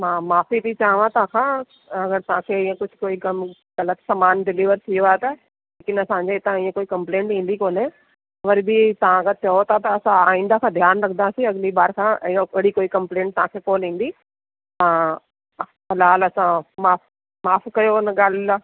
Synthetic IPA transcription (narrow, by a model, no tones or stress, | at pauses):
mãːmaːfib̪it͡ɕaːɦʋãt̪ɐʋãkʰãː | ɐɡəɾt̪ɐʋ̤ãkʰeɪ̃ːẽkʊd͡ʑ̆ʱkoːiɡɐm | ɣɐlət̪sɐmaːnɖɪliːʋəɾt̪ʰijoaːet̪ɐ | leːkɪnɐsãːɲd͡ʑet̪ãĩːẽkoːikɐ̃mplẽːɳʈɦĩːn̆d̪ikoːne | ɐʋəɾbʱit̪ɐʋ̤ãkʰãːt͡ɕɐot̪ʰat̪ɐːsãaːĩːnd̪akʰãːd̪ʱjaːnɾɐkʰənd̪asĩɐɡlibaːɾkʰãːʔəɽikoːikɐ̃mplẽːɳʈ̚t̪ɐʋãkʰekoːnɦĩːn̆d̪i | ãː | xɐlaːlɐsãmaːf | maːfkɐjoɪnɐɠaːla